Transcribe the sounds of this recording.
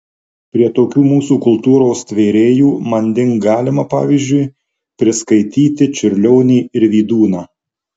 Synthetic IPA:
pʲɾʲiɛt̪oːkʲuːmuːsuːkʊlˠt̪uːɾoːst̪ʲʋʲeːɾʲeːjuːmɐnʲd̪ʲɪŋkɡɑːlʲɪmɐpɑ̰ːʋʲiːzʲd͡ʒʲʊɪ | pʲɾʲɪskɐɪt̪ʲiːt̪ʲɪt͡ʃʲʊɾʲlʲɔːʊnʲiːɪɾʋʲiːd̪uːnɑː

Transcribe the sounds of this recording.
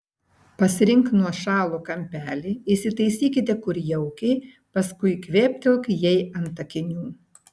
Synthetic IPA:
pɐsʲɪɾʲɪŋˑknuɔʃɑːlˠuːkɐmʲpʲæːlʲiːɪsʲɪt̪ɐɪsʲiːkʲɪt̪ʲɛkʊɾjɛʊkʲɛɪ | pɐskʊɪkʋʲeːpʲt̪ʲɪlˠkjɛɪɐnt̪ɐkʲɪnʲuː

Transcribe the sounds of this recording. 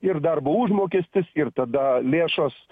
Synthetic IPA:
ɪrd̪ɐrboːuʒmoːkʲeːsʲt̪ʲɪsɪrt̪ɐd̪ɐlʲeːʃos

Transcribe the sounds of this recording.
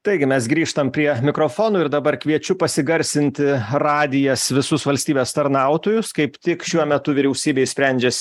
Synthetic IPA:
t̪ɐɪɡʲɪmʲɛsɡɾʲiːʃt̪ɐmpʲɾʲiɛmʲɪkɾoːfoːnoːɪɾd̪ɐbɐɾkʋʲiɛt͡ʃʲʊpɐsʲɪɡɐɾʲsʲɪnʲt̪ʲɪrɑːd̪ʲɪjɛsʋʲɪsʊsʋɐlʲsʲt̪ʲiːbʲeːst̪ɐɾnɐˑʊt̪oːjʊskɐɪpt̪ʲɪkʃʲuɔmʲɛt̪ʊʋʲɪɾʲɛʊsʲiːbʲeɪsʲpʲɾʲɛnʲd͡ʒʲɛs

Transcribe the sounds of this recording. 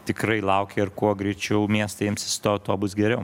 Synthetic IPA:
t̪ʲɪkɾɐɪlˠɐʊkʲeɪɾkuɔɡɾʲɛɪt͡ʃʲɛʊmʲiɛst̪ɐɪmʲsʲɪ̥st̪oːʊt̪oːbʊsɡʲɛɾʲɛʊ

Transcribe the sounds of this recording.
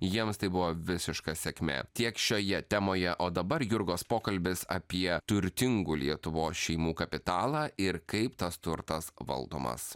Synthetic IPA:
jiɛmst̪ɐɪbʊʋoːʋʲɪsʲɪʃkɐsʲɛkʲmʲḛːt̪ʲiɛkʃʲoːjɛt̪ʲɛmoːjɛʔoːd̪ɐbɐɾjʊɾɡoːspoːkɐlʲbʲɪsɐ̰pʲiɛt̪ʊɾʲt̪ʲɪŋɡuːlʲiɛt̪ʊʋoːsʃʲɛɪmuːkɐpʲɪt̪ɑːlˠɑːʔɪɾkɐɪpt̪ɐst̪ʊɾt̪ɐsʋɐ̰lˠd̪o̰ːmɐ̰s

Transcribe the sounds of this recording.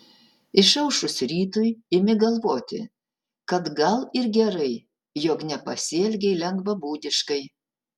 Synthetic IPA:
ɪʃɐʊʃʊsɾʲiːt̪ʊjɪmʲɪɡɐlˠʋoːt̪ʲɪ̰ | kɐt̪ɡɐlˠɪɾɡʲɛɾɐɪ | joːknʲɛpɐsʲiɛlʲɡʲɛɪlʲɛŋɡʋɐbuːd̪ʲɪʃkɐɪ

